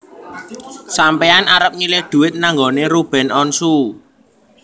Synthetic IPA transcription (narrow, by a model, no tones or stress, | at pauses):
sampeanaɾəp̚ɲilɪhd̪̥ṳɪt̪̚naŋɡoneɾub̥ɛ̤nɔnsu